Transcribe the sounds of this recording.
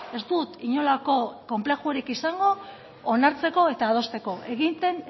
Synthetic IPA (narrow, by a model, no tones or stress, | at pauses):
e̞zd̪ut̪iɲo̞lako̞ko̞mple̞xuɾikisaŋɡo̞ː | naɾt͡se̞ko̞e̞t̪aːð̞o̞st̪e̞ko̞ʔe̞ɣ̞int̪e̞n